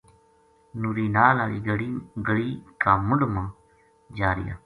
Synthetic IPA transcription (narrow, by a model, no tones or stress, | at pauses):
nuːɾiːnaːlaːliːɡəɽiːkaːmʊɳɖmãː | d͡ʒaːɾɪ̰ja̰ː